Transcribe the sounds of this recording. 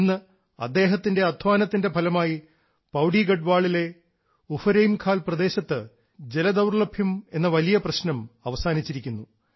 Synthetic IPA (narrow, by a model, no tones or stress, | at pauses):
nːɨ | ɐ̰d̪ːe̞ːɦɐt̪ːinde̞ɐd̪ʱʋaːnɐt̪ːinde̞bʱɐlɐmaːji | pɐwɖiɡɐɖʋaːɭile̞ | ufɐɾejmkʰaːlprɐd̪e̞ːɕɐt̪ːɨ | d͡ʑe̞lɐd̪ɐwrɭɐbʱjɐme̞nːɐʋɐlijɐprɐɕnɐmɐʋɐsaːnit͡ɕːiɾikʲːunːu